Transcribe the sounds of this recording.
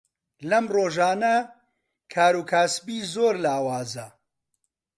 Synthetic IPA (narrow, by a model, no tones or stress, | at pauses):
lɐmroːʒaːnɐ | kʰaːɾuːkʰaːsbiːzoːɾlaːwaːzɐ